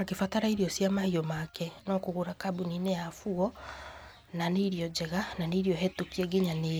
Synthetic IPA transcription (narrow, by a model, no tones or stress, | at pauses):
akefataɾaiɾiɔsjamahiɔmakɛnɔkoɣoɾakabunineafuɔ | naneiɾiɔd͡ʑɛɣananeiɾiɔɦɛtukiɛɡeɲane